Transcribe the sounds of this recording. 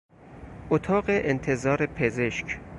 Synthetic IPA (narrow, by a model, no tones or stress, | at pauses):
ʔot̪ʰɒːɢeʔent̪ʰezɒːɾepʰezeʃkʰ